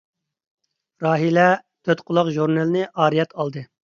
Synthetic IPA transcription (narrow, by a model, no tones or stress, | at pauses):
ɾɑːɦilɛt̪ʰøt̪qʰʊlˠɑqʒuɾnelnɨʔɑːɾijɛt̪ʰɑlˠd̪ɨ